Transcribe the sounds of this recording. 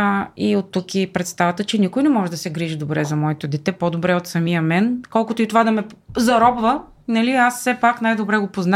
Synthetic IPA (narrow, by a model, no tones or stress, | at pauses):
iot̪ːukipɾɛt̪st̪avɐt̪ət͡ʃɛnʲikojnɛmɔʒɛd̪ɐsɛɡɾiʒid̪obɾɛzɐmɔɛt̪od̪ɛt̪ɛpod̪obɾɛot̪sɐmijəmɛnkɔlˠkʊt̪oit̪ovad̪ɐmɛzɐɾɔbvə | nɐliassɛpakn̪ajd̪obɾɛɡopozna